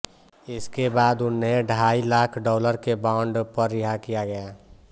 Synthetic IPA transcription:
ɪskebaːd̪ʊnːeɖʱaːilaːkʰɖɔːləɾkebaʊɳɖpəɾːɪɦakijaɡəja

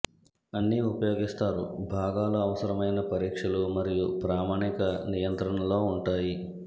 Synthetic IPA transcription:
ɐnːiupɐjo̞ːɡist̪aːɾubʱaːɡaːlɐːʋɐsɐɾɐmɐjnɐpɐɾiːkʂɐlumɐɾijupɾaːmaːɳikɐnijɐnt̪ɾɐɳɐlo̞ːuɳʈaːji

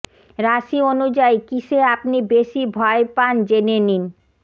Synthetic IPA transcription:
ɾaʃionud͡ʑajkiʃeapnibeʃibʱɔepand͡ʑenenin

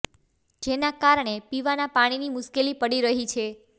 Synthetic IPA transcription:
d͡ʒenakaɾɳ̃epiʋanapaɽ̃inimʊʃkelipəɽiɾəɦit͡ʃʰe

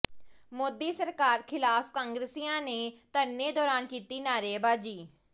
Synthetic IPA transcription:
moːd̪iːsəɾkaːɾkʰɪlaːfkãːŋɡɾesiːãːneːt̪ənːeːd̪ɔːɾaːnkiːt̪iːnaːɾeːbaːd͡ʒiː

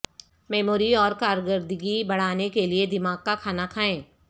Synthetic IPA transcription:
mɛːmoːɾiɔːɾkaːɾɡəɾd̪əɡibɐɽ̤aːnekelied̪ɪmaːɡ̚kakʰaːnakʰaːẽː

